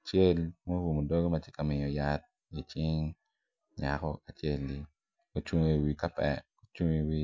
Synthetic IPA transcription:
a˨t͡ʃe˦lmo˦wu˨mo˨do˦ɡo˦mɐ˦t͡ʃe˦ka˨mɪ˨ɲɔ˨ja˦t̪̚ | i˨t͡ʃɪ˦ŋ | ɲa̰˨kɔ˦a˨t͡ʃe˦˨lːi˦ | o˨t͡ʃu˦ŋe˦˨wi˨ka˦pɛ̰˨ | o˨t͡ʃu˦ŋe˨wi˦

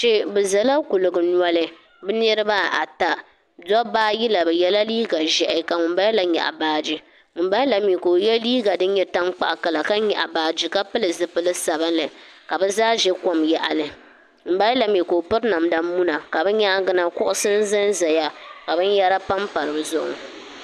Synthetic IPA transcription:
t͡ʃɛ˦bɛ˨za˨la˦ku˨lɨ˨ɡɨ˨n˦a˦lɨ˦ | bɨ˦n˦ɛ˦ɾɨ˦baː˦a̰˨ta˦ | dɔ˦baː˦ji˦la˨bɛ˨jɛ˦la˦liː˦ɡa˨ʒɛ˨ʔɪ˨ka˨ŋʊ˨mba˦jla˨ɲɛ̰˨ʔa̰˨baː˦d͡ʒi˦ | ŋʊ˨mba˦la˨mi˨ko˨jɛ˦liː˦ɡa˨dɨ˦n˦ɲɛ˦ta˦ŋk͡pa̰˨ʔka˨la˨ka˦ɲɛ̰˨ʔa˨baː˦d͡ʒi˦ka˦pɨ˦lɨ˨zɨ˨pɨ˦lɨ˦sa˨ba˦nlɨ˨ka˨bɛ˦zaː˦ʒɛ˦ko˦mja˦ʔa̰˨lɨ˨ | m̩˨ba˦jla˨mi˨ko˨o˨pɨ˦ɾna˨mda˦mu˦na˨ka˨bɛ˦ɲa˦ɡɨ˦na˦kʊ˦ʔʊ˦sɨ˦n˦zɨ˦n˦za˨ja˦ka˨bɨ˦n˦ja˦ɾa˦pa˦mpa˨ɾɨ˨bzʊ˦˨ʔʊ̰˨

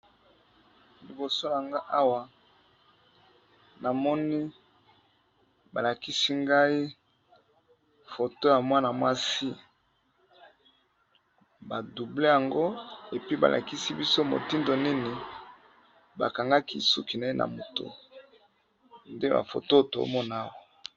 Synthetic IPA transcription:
li˨bo˨so˦ja˨ŋɡa˦ʔa˦wa˨ | na˨mɔ˦ni˦ | ba˨la˨ki˦si˦ŋɡa˦i˦ | fo˨to˦ja˨mwa˦na˨mwa˦si˦ | ba˨du˨ble˦ja˨ŋɡo˦e˨pi˦ba̰˨lʔa̰˨ki˦si˦bi˦so˦mo̰˨ti˦ndo˨ni˦ni˨ | ba̰˨ka˨ŋɡa˦kḭ˦su˦ki˨na˨e˦nʔa̰˨mo˨to̰˦ | nde˦ba̰˨fo̰˨to˦˨to̰˨o̰˦mɔ˦n˦a˦˨wa˨

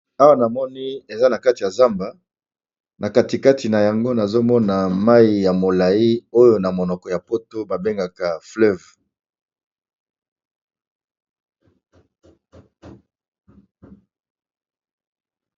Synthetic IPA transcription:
a˦wa˦˨na˨mɔ˦ni˦e˨za˦na˨ka˦ti˨ja˨za˦mba˨ | na˨ka˨ti˨ka˦ti˨na˨ja˨ŋɡo˦na˨zo˦mɔ˦na˨ma˦i˨ja˨mo˨la˨i˦o˦jo˨na˨mo˨nɔ˨kɔ˨ja˨po˦to˦ba˨be˦ŋɡa˨ka˨flɛ˦˨v

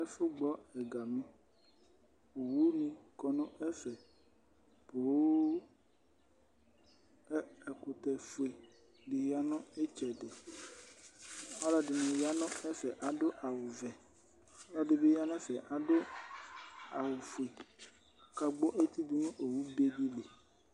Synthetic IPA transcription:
ɛ˦fʊ˦ɡ͡bɔ˦ɛ˨ɡa˨mĩ˦ | o˨wu˦nĩ˨kɔ˨nɔ̃˦ʔɛ˦fɛ˨ | po˨˦ | ɛ˨kʊ˨t̪ɛ˨fu˨e˨ | ɖɪ˨ɦi˦a˦nɔ̃˦e˦t͡ʃɛ˨de˨ | ɔ˦lɔ˦ɖɪ˨nẽ˨ja˦nɔ̃˦ɛ˦fɛ˨ʔa˨ɖo˦ʔa˨wʊ˨vɛ˨ | ɔ˦lɔ˦ɖɪ˨be˦ja˦nɔ̃˦fɛ˨ʔa˨dʊ˦ | a˨wʊ˨fu˨e˨ | ka˨ɡ͡bɔ˦ʔe˦t̪i˦d̪u˦nũ˦ʔo˨wu˦be˦di˦le˨

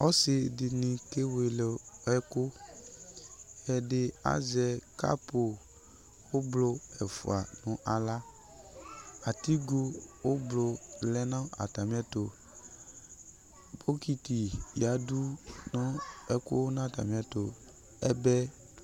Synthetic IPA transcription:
ɔ˦sɪ˨dɪ˨nĩ˨ke˦we˨le˨ɛ˦kʊ˦ | jɛ˨dɪ˨a̰˨zɛ˨ka̰˦po˨ | wo˦blo˦ɛ˨fṵ˨a̰˨nʊ̃˨ʔa˨la˦ | a˨ti˦ɡo˦wo˦blo˨lɛ˦nã˦a̰˨ta˨mi˦a˦to˨ | bo˦ki˦ti˨ja˨˦du˦nɔ̃˦ɛ˦kʊ̰˦nã˦˨ta̰˨mĩ˨˦a˦to˨ | ɛ˦bɛ˦

